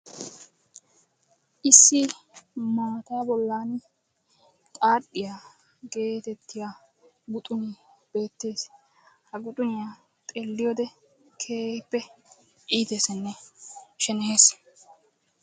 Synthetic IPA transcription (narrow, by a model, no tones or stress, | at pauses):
ʔɪsːɪ | maːt̪aːbɔlːaːn | kʼaːɗːɪja | ɡe̞ːt̪ɛt̪ːɪja | ɡʊt̪ʼʊnɪ | b̥e̞ːt̪ːe̞ːs | hɐɡʊt̪ʼʊnɪja | t̪ʼeːlːɪjod̪ɛ | kʰeːpːɛ | ʔiːt̪eːsɐnːɛʃɛnɛe̞ːs